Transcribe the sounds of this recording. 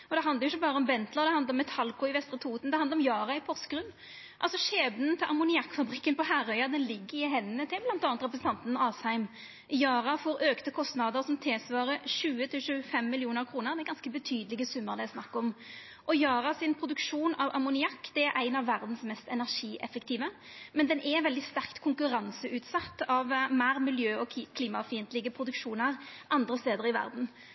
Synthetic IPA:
ɔd̪ɛɑnd̪əʁjʊɪçːəbɑːɾəɔmbɛnt̪ləʁd̪ɛhɑnd̪əʁɔmːɛt̪ʰɑlkʊɪʋɛst̪ɾət̪ʰuːt̪nd̪ɛhɑnd̪əɾɔmjɑːɾɑɪpʰɔʁskʁʉnː | ʔɑlsɔʃeːbnənt̪ʰɪlʔɑmʊnɪɑkːfɑbɾɪkːənpɔhæɾœʏɑd̪ɛnlɪɡːəɪɦɛnːət̪ʰɪblɑnt̪ɑːnət̪ʁɛp̬ɾəsn̩t̪ɑnt̪nɑːshæɪm | jɑːʁɑfɔːɾøːkt̪əkʰɔst̪nɑd̪əɾsɔmt̪ʰɪːsʋɑːɾəʃʉːət̪ʰɪlʃʉːfɛmːɪlɪuːnəʁkʰɾuːnəʁd̪ɛæɛɡɑnskəbət̪ʰyːd̪əlɪɡəsʉmːəʁd̪ɛɪsnɑkːɔm | ʔɔjɑːʁɑsɪnpʰɾʊd̪ʉkʂuːnɑʋɑ̰mʊnɪɑkːd̪̥ɛæɾʔæɪnɑʋːæʁd̪n̩smɛst̪ɛnæʁʂiːʔɛ̰fəkt̪ʰiːʋəmɛnd̪ɛnʔɛʋɛld̪ɪst̪æʁkt̪kʰʊŋkʉɾɑnsəʔʉːt̪sɑt̪ːɑʋmæːɾmɪljøːɔkʰliːmɑfiːnt̪lɪɡəpʰɾʊd̪ʉkʂuːnəʁʔɑnd̪ɾəst̪eːd̪əʁɪʋæ̰ʁd̪n̩

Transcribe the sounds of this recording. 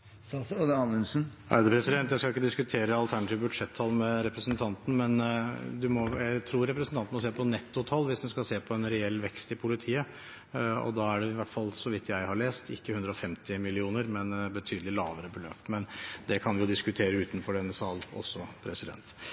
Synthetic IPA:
sɑsɔnəɑnʉnsn̩ʔæ̰ɪd̪ɛpʰɾɛsɪd̪ɛnt̪jæɪskɑlɪkːəd̪ɪskʉt̪ʰeːɾəɑlt̪ʰæɳɑt̪iːʋbʉd̪ʂɛt̪ʰːɑːlmɛɾɛpɾəsnt̪ʰɑnt̪n̩mɛnd̪ʉmɔjæɪt̪ʰɾuːɾɛpɾəsn̩t̪ɑnt̪mɔseːpʰɔnɛt̪ːʊt̪ʰɑlːʋɪsd̪ɛnskɑseːpʰɔɛnɾɛɛlːʋɛkst̪ɪpʰʊlɪt̪ʰiːə | ɔ̰d̪ɑːæɖɛɪʋæʈːfɑlːsɔʋɪt̪ʰːjæɪhɑɭeːst̪ɪ̰kːəhʉnd̪ɾəɔfɛmt̪ɪmɪlɪuːnəɾmɛnbət̪ʰyːd̪əlɪlɑ̰ːʋəɾəbəlø̰ːpt̪mɛnd̪ɛkʰɑnʋɪjʊd̪ɪskʉt̪ʰeːɾəʉːt̪nfɔɖɛnːəsɑːlɔ̰sːɔpʰɾɛsɪd̪ɛ̰nt̪

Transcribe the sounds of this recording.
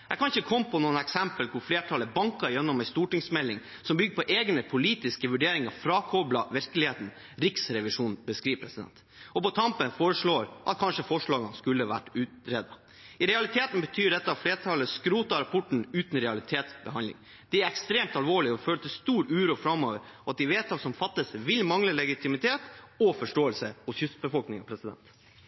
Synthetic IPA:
jɛɡkʰɑnɪçəkʰɔmːpʰɔnuːənɛksɛmpəlkʰʊɾfleːʈʰɑləbɑŋkɑɾjɛnːɔmɛɪst̪uːʈɪŋsmɛlːɪŋ | sɔmbʏɡəpɔʔeːɡnəpʰʊliːt̪ɪskəʋʉɖeːɾɪŋɑfɾɑːkʰɔblɑʋɪɾklɪheːt̪n̩ | ɾɪksɾɛʋɪʂuːnbəskɾiːʋpʰɾɛsɪd̪ɛ̰nt̪ | ɔpɔt̪ʰɑmpənfoːɾəʂɭoːɾʔɑt̪̚kʰɑnʂəfɔʂɭɑːɡənskʉlːəʋæ̰ʈːʉːt̪ɾeːd̪ɑ | ɪɾɛɑlɪt̪ʰeːt̪n̩bət̪ʰyːɖɛt̪ːəɑfleːʈʰɑːləskɾuːt̪ɑɾɑpʰɔʈɳ̩ʉːt̪n̩ɾɛɑlɪt̪ʰeːt̪sbəɦɑnd̪ɪ̰ŋ | d̪̥ɛæɾɛkst̪ɾeːmt̪ɑlʋoːɭɪɔføːlət̪ʰɪlst̪uːɾʉːɾuːfɾɑmːoːʋəɾɑt̪̚d̪ɪʋeːt̪ʰɑsɔmfɑt̪ːəsʋɪlmɑŋləlɛɡɪt̪ʰɪmɪt̪ʰeːt̪ɔfɔʂʈoːəlsəhʊsjʏst̪̚bəfɔlknɪŋɑ̰pʰɾɛsɪd̪ɛ̰nt̪

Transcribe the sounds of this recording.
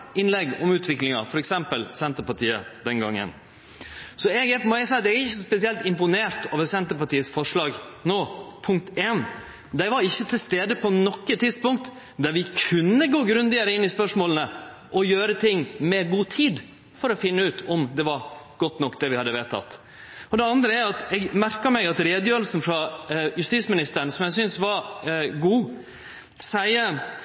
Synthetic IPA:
ɪnlɛɡɔmʉːt̪ʰʋɪklɪŋɑfɔɾɛksɛmpəlsɛnt̪əpɑʈiːəd̪ɛŋɡɑŋːə̰n | sɔɛɡɛpmɔɛsɑd̪ɛæɾɪçːəsɔspɛsɪɛlt̪ɪmpʊneːɾt̪oːʋəɾsɛnt̪əɾpɑʈiːəsfɔʂɭɑːɡnoːpʰʊŋk̚t̪eːn | d̪æɪʋɑɾɪçːət̪ʰɪlst̪eːd̪əpʰɔnɔkːət̪ʰɪd̪spʊŋk̚t̪ | d̪æɾʋɪkʰʉnːəɡoːɡɾʉnd̪ɪəɾəɪnːɪspœʂmoːlənə | ʔɔjøːɾət̪ʰɪŋːmɛɡuːt̪ʰiːd̪ | fɔɾɔfɪnːəʉːt̪ʰɔmd̪ɛʋɑɾ | ɡ̥ɔt̪ːnɔkːd̪ɛʋɪhɑd̪ːəʋeːt̪ʰɑ̰t̪ː | ɔd̪ɛɑnd̪ɾəæɾɑt̪ɛɡmæɾkɑmɛɪɡɑt̪ɾeːd̪əjøːɾəlsn̩fɾɑjʉst̪iːsmɪnɪst̪əɾəɳəsɔmjæɪsʏnsʋɑɾɡuː | sæɪə

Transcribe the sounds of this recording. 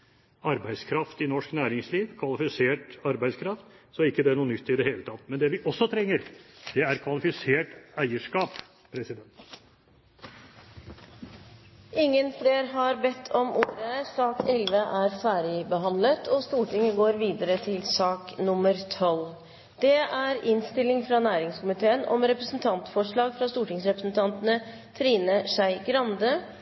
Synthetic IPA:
ɑɾbæɪd̪skʰɾɑft̪ɪnɔʂknæːɾɪŋsliːʋkʰʋɑlɪfɪseːʈɑɾbæɪskʰɾɑft̪sɔæɾɪkːəd̪ɛæɳuːnʏt̪ːɪd̪ɛheːlət̪ʰɑt̪ːmɛnd̪ɛʋɪʔɔsːɔt̪ʰɾɛŋːəɾd̪̥ɛæɾkʰʋɑlɪfɪseːʈæɪəʂkɑːp | pʰɾɛsɪd̪ɛnt̪ | ʔɪŋːənfleːɾɦɑɾbɛt̪ʰːɔmʔuːɾəsɑːkɛlʋəʔæːɾfæːɾɪbəɦɑnd̪lət̪ʰɔst̪uːʈɪŋəɡoːɾʋiːd̪əɾət̪ʰɪlsɑːknʊmːəɾt̪ʰɔl | d̪̥ɛʔæɾɪnst̪ɪlːɪŋfɾɑnæːɾɪŋskʊmɪt̪ʰeːənɔ̰mɾɛpɾəsn̩t̪ʰɑnt̪fɔʂɭɑːɡfɾɑst̪uːʈɪŋsɾɛpɾəsn̩t̪ʰɑnt̪ənə | t̪ʰɾiːnəʂæɪɡɾɑnd̪ə

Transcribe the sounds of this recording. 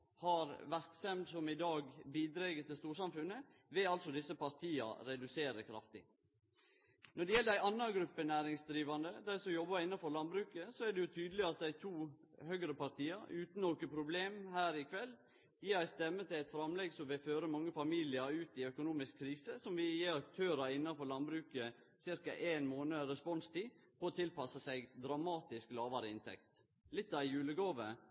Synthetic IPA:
hɑɾʋæɾksɛmd̪sɔmɪd̪ɑːɡbiːd̪ɾeɡət̪ʰɪlst̪uːʂɑmfʉnːə | ʋɛɑlsɔd̪ɪsːəpɑɾt̪ʰiːɑ̰ɾɛd̪ʉseːɾəkʰɾɑ̰ft̪ɪ̰ | nɔɖɛjɛlːəd̪æɪʔɑnːɑɡɾʉpːənæːɾɪŋsd̪ɾiːʋɑnd̪əd̪æɪsɔjɔbɑɪnːɑfɔɾlɑnbɾʉːkəsɔæɖɛjʊt̪ʰyːd̪əlɪɑt̪̚d̪æɪt̪ʰuː | hœɡɾəpɑɾt̪ʰiːəɾʉːt̪n̩okəpʰɾʊbleːmhæːɾɪkʰʋɛlː | jiːɾæɪst̪ɛmːət̪ʰɪlɛt̪fɾɑmlɛɡsɔmʋɪlføːɾəmɑŋːəfɑmiːlɪəɾʉːt̪ɪœkʊnuːmɪskʰːɾiːsəsɔmʋɪjeːɾɑk̚t̪ʰøːɾɑɪnːɑnfɔɾlɑnbɾʉːkə | sɪɾkɑʔeːnmoːnəɾɛspɔnst̪ʰiːpʰɔːt̪ʰɪlpɑsəsæɪɡd̪ɾɑmɑːt̪ɪsklɑːʋɑɾəɪnt̪ʰɛ̰kt̪ | lɪt̪ːɑæɪjʉːləɡoːʋə̰

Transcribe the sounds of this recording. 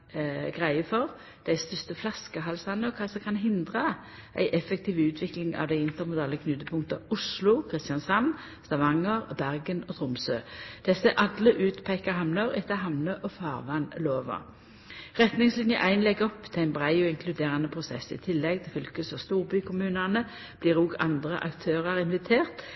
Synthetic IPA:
ɡʁæɪəfɔʁ | d̪̥æɪst̪ʏst̪əflɑskəɦɑlsɑnːəɔkʰɑːsɔkʰɑnɦɪnd̪ʁə | ʔæ̰ɪʔɛfɛk̚t̪ʰiːʋəʉːt̪ʰʋɪklɪŋɑ̰ʋd̪æɪɪnt̪əʁmʊd̪ɑːləkʰnʉt̪əpʰʊŋkt̪əʊslʊkʰʁɪst̪jɑnsɑmn | st̪ɑʋɑŋːəʁbæʁɡənɔt̪ʰʁʊmsøːd̪̥ɛsəʔɑd̪ləʔʉːt̪pʰæɪkəɦɑmnəʁɛt̪ːəɦɑmnəʔɔfɑːʁʋɑnloːʋə̰ | ʁɛt̪nɪŋslɪnjəʔæɪnlɛɡɔpːt̪ʰɪlæɪnbʁæɪɔɪŋkʰlʉd̪eːʁɑnəpʰʁʊsɛ̰sːɪ̰t̪ʰɪlːɛɡ̚t̪ʰɪlfʏlkəsɔst̪uːʁbyːkʰʊmʉːnænə | b̥liːʁuːɡɑ̰nd̪ʁə̰ʔɑ̰kt̪ʰøːʁɑʁɪnʋɪt̪ʰeːʁt̪

